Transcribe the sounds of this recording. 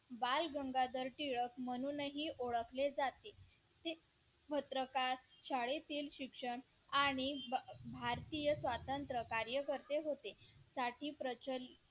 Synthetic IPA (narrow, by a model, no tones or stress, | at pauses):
balɡəŋɡad̪əɾʈiɭəkməñunəɦiːʔoɭəkʰled͡zat̪e | t̪e | pət̪ɾəkaɾɕaɭet̪iːlɕikʂəɳ | aɽ̃ibʱaɾt̪ijəsʋat̪ənt̪ɾəkaɾjəkəɾt̪eɦot̪esaʈiːpɾət͡ɕəl